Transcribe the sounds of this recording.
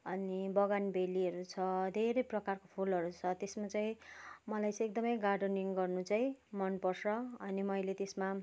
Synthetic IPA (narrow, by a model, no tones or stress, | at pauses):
ʌnibʌɡanbʱeliʌɾut͡sʰʌd̪ʱeɾʌjprʌkarkopʰulʌɾut͡sʰʌt̪esmat͡saĩmʌlajt͡sʌ̃ek̚d̪ʌmʌjɡarɖʌniŋɡʌrnut͡saĩmʌnpʌrsʌʌnimʌjlet̪esma